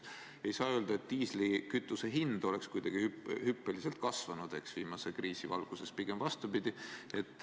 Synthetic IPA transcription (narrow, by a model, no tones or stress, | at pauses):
e̞jsɑːøːld̪ɑe̞t̪ːiːslikyt̪ːˑuse̞ɦind̪̥o̞lekskujd̪ɑɡ̥ihyhypːˑelise̞lt̪̚kɑsvɑnud̪̥e̞ksviːmɑse̞kriːsivɑ̰lɡ̥use̞spiɡ̥e̞mvɑst̪ubid̪̥ie̞t̪ːˑ